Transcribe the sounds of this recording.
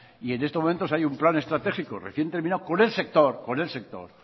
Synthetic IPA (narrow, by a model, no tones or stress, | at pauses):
ie̞nest̪ome̞nt̪o̞sajumplane̞st̪ɾat̪e̞xikorḛθje̞nt̪eɾminaoko̞ne̞lse̞k̚t̪o̞ɾkone̞lse̞k̚t̪o̞̰ɾ